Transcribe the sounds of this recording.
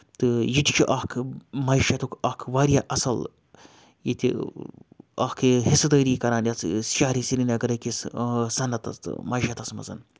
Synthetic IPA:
t̪ɨjiʈ̪ʲt͡ʃʰiʔɐhkʰmɐiʃɐt̪ukʰɐhkʰʋaːɾjaːʔɐsɐl | jit̪ʰʲḭ | ɐhkʰɨhisɨt̪əːɾiːkɐɾaːnjɐt͡ssʃaːɾisiɾinɐɡɐɾɐkissɐnːɐt̪ɐ̰st̪ɨ̰mɐjʃɐt̪ɐsmɐ̰zɐ̰n

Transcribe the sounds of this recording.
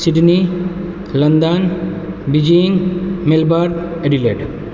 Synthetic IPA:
siɖni | lɐnd̪anbid͡ʒiŋmelbaɾd̪eɖileʈ

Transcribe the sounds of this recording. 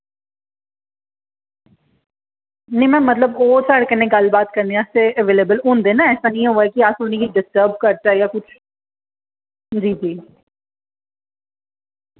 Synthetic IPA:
nɐĩmɛ̃ːmɐt̪ləboːsəɽkənẽɡɐlbaːt̪kɐɾneaːseəʋeːlebəlʊ̃nd̪eːnaɛːsanɐĩɦuaɛkiaːsoːnekiɖɪsʈəːɾbkɐɾt̪aɛjakʊt͡ʃʰ | d͡ʒiːd͡ʒiː

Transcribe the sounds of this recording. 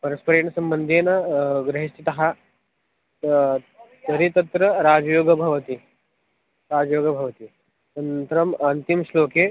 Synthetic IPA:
pəɾəspəɾeːɳsɐmbənd̪ʱenɡɾɐɦist̪ʰit̪ɐɦa | t̪əɾit̪ɐt̪ɾəɾad͡zjoːɡəbʱɐʋt̪i | ɾad͡ʑjoːɡəbʱɐʋt̪i | tənt̪ɾəmɐnt̪imsloke

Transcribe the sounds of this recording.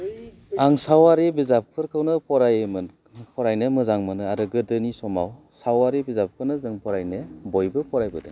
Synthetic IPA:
aŋsawaɾebizap̚kʰɯɾkʰɯwnɯpʰɔɾajmɯ | pʰɔɾajnɯmɯzaŋmɯnɯaɾɯɡɯdɯnisɔmawsawaɾebizap̚kʰɯnɯzɯŋpʰɔɾajnɯbɔjbɯpʰɔɾajbɯde

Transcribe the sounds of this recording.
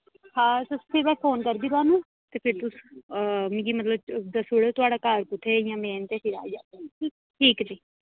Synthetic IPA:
hãːsəspʰɪɾmɛ̃ːpʰoːnkəɾd̪iːɾoaːnũː | t̪eːpʰɪɾt̪ʊs | mɪ̃ɡiːmət̪ləbd̪əsuɽet̪ʊaːɖaːkaːɾpʊt̪ʰeːjãːmɛ̃ːnt̪eːʈʰɪɾa̰ːd͡ʒa̰ː | ʈʰiːkd͡ʒiː

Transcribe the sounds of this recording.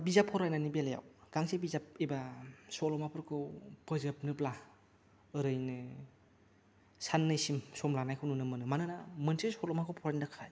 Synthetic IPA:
bizapʰːɔɾajnanibelaja̰wɡ̥aŋsebizap̚ebasɔlɔmapʰɯɾkʰɯpʰɯzɯp̚nɯpla | ɯɾɯjnɯ | sanːɯjsimsɔmlanajkʰɯwnɯnɯmɯnɯmanɯnamɯnsʰesɔlɔmakʰɯpʰɔɾajninakʰaj

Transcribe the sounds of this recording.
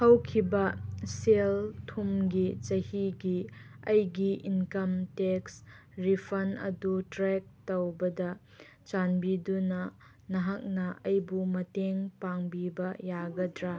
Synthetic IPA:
hɐwkʰibɐseltʰumɡit͡ʃɐhiɡiʔɐjɡiʔinkɐmteks | ɾipʰɐnɐ̰dutɾɛk̚tɐwbɐdɐ | t͡ʃanbidunɐ | nɐɦɐk̚nɐʔɐjbumɐteŋpaŋbibɐjaɡɐdɾa

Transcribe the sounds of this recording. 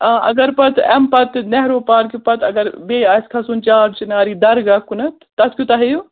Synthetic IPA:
ʔɐ̰ɡɐɾpɐt̪ɛmpɐt̪nɛɦɾoːpaːɾkipɐt̪ɐɡɐɾbeːaːskʰɐsuːnt͡ʃaːɾt͡ʃinaːɾiːd̪ɐɾɡakunɐt̪ːɐskʲut̪ɐɦɐju

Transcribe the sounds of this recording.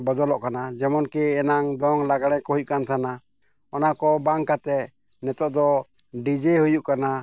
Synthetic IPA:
bəd̪ɔlɔʔkanad͡ʒɛmɔnkɛːnaŋd̪ɔŋlaɡaɽ̃ɛ̃kɔɦuc̚kant̪ʰana | ɔnakɔbaŋkat̪ɛ | nɛt̪ɔʔd̪ɔ | ɖid͡ʒɛhujuʔkana

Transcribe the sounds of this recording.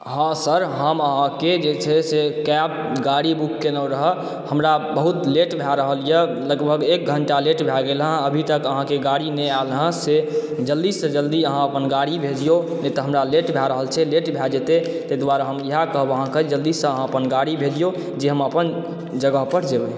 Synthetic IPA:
ɦãsəɾɦəməɦãked͡ʒet͡ʃʰɛsekɛb̚ | ɡaɽibukːenəɾəɦə | həmɾabəɦut̪leʈbʱjaɾəɦəljə | ləɡbʱəɡek̚ɡʱəɳʈaleʈbʱaɡelɦə̃əbʱit̪əkəɦãkeɡaɽinɛalɦə̃sed͡ʒəld̪issəd͡ʒəld̪iəɦãəpənɡaɽibʱed͡ʒijonɛt̪ɔɦəmɾaleʈbʱaɾəɦəlt͡ʃʰɛleʈbʱad͡ʒet̪e | t̪ed̪waɾaɦəmjiɦakəɦbəɦãked͡ʒəld̪issə̃əɦãəpənɡaɽibʱed͡ʒijo | d͡ʒeɦəməpən | d͡ʒəɡəɦpəɾ̤d͡ʒebɛ

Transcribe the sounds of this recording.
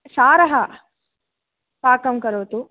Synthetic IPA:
saːɾɐɦɐ | paːkɐmkɐɾoːt̪u

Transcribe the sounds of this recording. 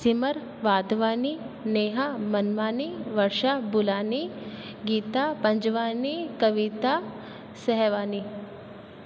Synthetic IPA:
simɐɾ | ʋaːd̪ʋaːni | neːɦamɐnʋaːniʋɐɾʃabʊlaːni | ɡiːt̪apɐ̃ɲd͡ʒʋaːnikɐʋit̪a | sɛɦʋaːni

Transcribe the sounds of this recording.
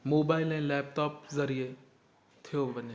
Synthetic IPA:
moːbaːɪlẽlɛːp̚ʈɔːp̚zɐɾije | t̪ʰijobɐne

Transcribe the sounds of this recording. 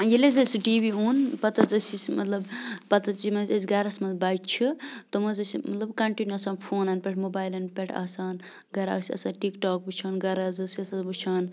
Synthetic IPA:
jelezɐsiɖiːbiɦunpɐt̪ɐt͡sɐsismɐt̪lɐbpɐt̪ɐt͡ʃimɐsesɡɐɾasmɐlbatt͡ʃʰit̪ɔmɐzɐsimɐt̪lɐbkɐɳʈinuɐsaːnpʰoːnɐnpʲeʈʰmobaːjlɐnpʲeʈʰa̰ːsaːn | ɡɐɾa̰sʲɐ̰saːnʈikʈɔːk̚but͡ʃʰaːnɡɐɾazɐsɐsabut͡ʃʰaːn

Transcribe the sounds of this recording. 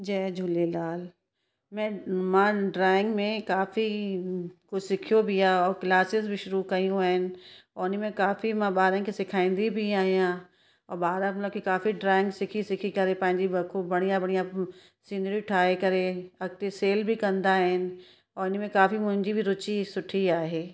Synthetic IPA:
d͡ʒɛːd͡ʒʱulelaːl | mɛ̃mãɖɾaːɪ̃ŋɡmẽkaːfi | kʊsɪkʰijobʱijãɔːɾklaːsɪsbʱiʃʊɾukɐijũɦɛːnɔːɪnimẽkaːfimãbaːɾẽkisɪkʰaːɪ̃nd̪ibʱiaːijãː | ɔːɾbaːɾãmt̪ləbkikaːfiɖɾaːɪ̃ŋɡsɪkʰisɪkʰikɐɾẽpɐ̃ɦɪ̃ɲd͡ʒibɐkʰobɐɽ̃ijãbɐɽ̃ija | sĩːnd̪ɾiʈʰaːekɐɾẽɐɡ̚t̪eseːlbʱikɐ̃nd̪aɦɛn | ɔːɾɪnimẽkaːfimʊ̃ɪ̃ɲd͡ʒibʱiɾʊt͡ʃisʊʈʰiaːɦeː

